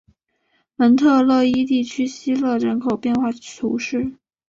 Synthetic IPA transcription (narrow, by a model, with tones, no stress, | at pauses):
mə˧˥nt̪ʰɤ˥˧lɤ˥˧i˥t̪i˥˩t͡ɕʰy˥ɕi˥lɤ˥˩ɻə˧˥nkʰo˨˩ʊpjɛ˥˧nxwa˥˩˥t̪ʰu˧˥ʂɻ̩˥˩